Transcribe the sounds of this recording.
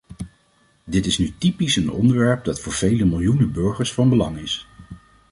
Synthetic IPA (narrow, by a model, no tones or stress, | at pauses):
dɪtɪsnytipisənɔ̰ndəɹʋɛɹp̚dɑtfʊːɹv̥ejləmɪlˠjunəbøɹχəɹsfɑnbəlɑŋɪs